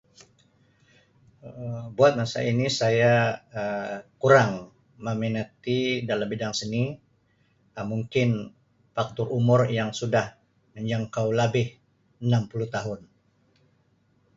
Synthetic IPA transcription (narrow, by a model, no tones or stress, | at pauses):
buat̪̚masa̰inisajaəkuɾaŋ | məminat̪idalambidaŋsəni | əmuŋkɪn | fak̚t̪ʊrumʊrjaŋsudah | məɲd͡ʒaŋkauwlabɪh | ənampuluht̪aɦʊn